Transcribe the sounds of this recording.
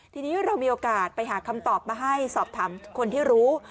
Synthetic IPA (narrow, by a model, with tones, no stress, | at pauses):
t̪ʰiː˧niː˦˥ɾa˧wmiː˧ʔoː˧kaː˨˩t̪̚pa˧jɦaː˩˦kʰa˧mt̪ɔː˨˩p̚maː˧ɦa˥˩jsɔː˨˩p̚t̪ʰaː˩˦mkʰo˧nt̪ʰiː˥˩ɾuː˦˥